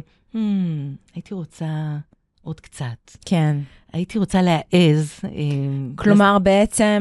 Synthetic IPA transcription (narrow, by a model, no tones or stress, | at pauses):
m̩ajit̪iʁo̞t͡sa | ʔo̞d̥kt͡satkʰen | a̰it̪iʁo̞t͡saleaʔezeklomaʁbeet͡se